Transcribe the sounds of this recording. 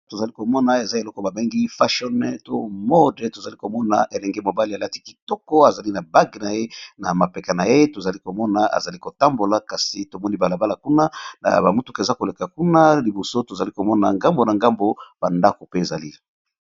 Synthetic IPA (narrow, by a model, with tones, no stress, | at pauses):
to˨za˨li˦ko˨mɔ˦na˨e˨za˦e˨lɔ˦kɔ˦ba˨be˦ŋɡi˦fa˦ʃɔ˦nɛ˦to˦mɔ˦de˨to˨za˨li˦ko˨mɔ˦na˨ʔe˨lɛ˨ŋɡe˦mo˨ba˦li˨a˨la˦ti̥˦ki̥˨tɔ˦kɔ˦a˨za˨li˦na˨ba˦ɡna˨je˦na̰˨ma˨pɛ˨ka˨na˨je˦to˨za˨li˦ko˨mɔ˦na˨a̰˨za˨li˦ko˨ta˦mbo˨la˨ka˨si˨to˨mɔ˦ni˦ba˨la˨ba˦la˨ku˦na˦na̰˨ba˨mu˦tu˦ke˨za˦ko˨le˨ka˨ku˦na˦li˨bo˨so˦to˨za˨li˦ko˨mɔ˦na˨ŋɡa˦mbo˨na˨ŋɡa˦mbo˦b̥a˨nda˦ko˨pe˦e˨za˨li˦